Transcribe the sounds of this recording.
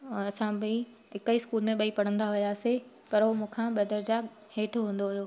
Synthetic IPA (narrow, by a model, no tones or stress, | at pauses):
ɐsãbi | ɪkəiskuːlmẽɓɐipɐɽ̤ə̃nd̪aɦʊjasepɐɾɦomũːkʰãɓɐd̪əɾd͡ʑa | heːʈʰoɦũːn̆d̪oɦʊjoː